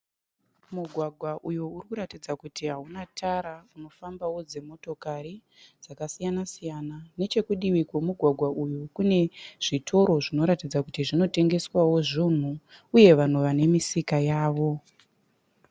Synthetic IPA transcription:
muɡʱwaɡʱwaʔujuurikuɾatid͡zakutiɦaunatʰaɾauno̞fambawo̞d͡ze̞mo̞to̞kaɾi | d͡zakasijanasijanane̞t͡ʃe̞kuɗiʋikwomuɡʱwaɡʱwaʔujukune̞ʐ̥itʰo̞ɾo̞ʐino̞ɾatid͡zakutiʐino̞te̞ŋɡe̞swawo̞ʐin̤uuje̞ʋan̤uʋane̞misikajaːʋo̞

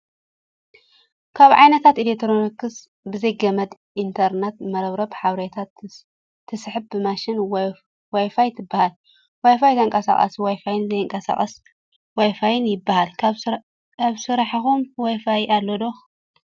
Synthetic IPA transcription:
kʰaβʕa̰jnɐt̪ʰat̪ilet̪ʰɨɾonɐkːɨs | bɨzɐjɡɐmɐd̪ | ʔint̪ʰɐɾnet̪mɐɾɐβɾɐbħaβɾet̪ʰat̪ʰː | ɨsħɨb̚bɨmaʃɪnw | wajfajt̪ʰɨbːahal | wajfajt̪ʰɐɨŋkʼɐsa̰xʼɐ̰swajfajɪnzɐjɨŋkʼɐsa̰χʼɐs | wajfajɪnjɪbːahal | aβsɨɾaħxumwajfajalːod̪o

